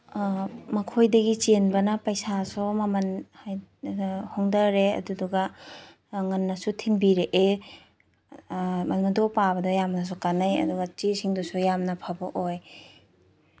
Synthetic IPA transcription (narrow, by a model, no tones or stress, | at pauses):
mɐkʰojdɐɡit͡ʃenbɐnɐpɐjsasumɐmɐnhaj | hoŋdɐɾeɐ̰duduɡɐ | ŋɐnːɐsutʰinbiɾeʔe | mɐlmɐdʰowpabɐdɐjamnɐs̬ukanajɐ̰duɡɐt͡ʃisiŋdusujamnɐpʰabɐʔoj